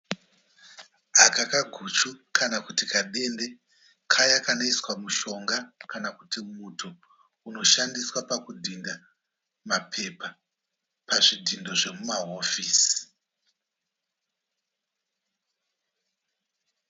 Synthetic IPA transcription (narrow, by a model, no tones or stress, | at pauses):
akakaɡʱut͡ʃukanakutikaɗe̞nde̞ | kʰajakanaiswamuʃo̞ŋɡakanakutimutʰo | uno̞ʃandiswapakudʱinda | mapʰe̞pa | paʐidʱindo̞ʐe̞mumaɦo̞fis